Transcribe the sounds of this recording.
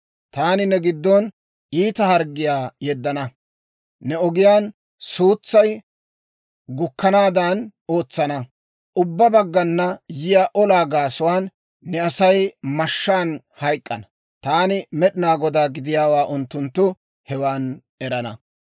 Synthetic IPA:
t̪aːnɪnɛɡɪd̪ːɔn | iːt̪ɐhɐɾɡɪjaːjɛd̪ːɐnɐ | nɛɔɡɪjaːn | suːt͡sːɐj | ɡʊkːɐnaːd̪ano̞ːt͡sːɐnɐ | ʔʊbːɐbɐɡːɐnːɐjɪjaːʔɔlaːɡaːsʊwaːnː | ɛɐsɐjmɐʃːaːn | hɐjkʼːɐnɐ̥ | t̪aːnɪmɛɗɪnaːɡɔd̪aːɡɪd̪ɪjaːwaːʔʊnt̪ːʊnt̪ːʊ | hɛwaːn | ɛɾɐnɐ̰

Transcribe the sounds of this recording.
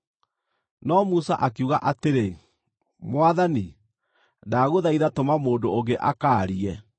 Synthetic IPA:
nɔmusa̰ʔak̬euɣaʔateɾe | mwaðani | daɣoðaiðatomamoːndoːɣɡeʔakaːɾiɛ

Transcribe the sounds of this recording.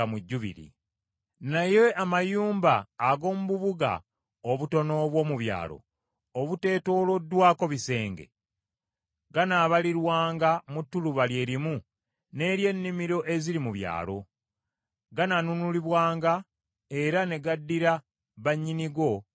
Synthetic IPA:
muɟːuβḭɾḭ | najeʔamajuːmbaːɡo̞ːmuβuβuɡa̰ | oβuto̞no̞βwo̞ːmuβja̰ːlo̰ | oβute̞ːto̞ːlo̞dːwaːko̞βise̞ːŋɡe̞̰ | ɡanaːβaliɾwaːŋɡamutːuluβalje̞ːɾimu | ne̞ːɾje̞nːimiɾo̞ʔe̞ziɾimuβja̰ːlo̞ | ɡananunuliβwaːŋɡa | e̞ɾane̞ɡadːiɾa | βaɲːiniɡo̞

